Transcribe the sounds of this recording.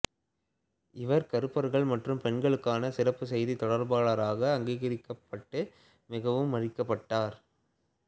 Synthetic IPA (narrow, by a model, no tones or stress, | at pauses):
ɪʋɐɾkɐɾɯpːɐɾɣɐɭmɐʈrɯmpɛɳɡɐɭɯkːaːnɐsɪrɐpːɯsɛjðit̪ɔɽɐɾbaːɭaːɾaːɣɐːŋɡeːɣɐɾɪkːɐpːɐʈːɯ | mɪɣɐʋɯmːɐrɪkːɐpːɐʈːaːɾ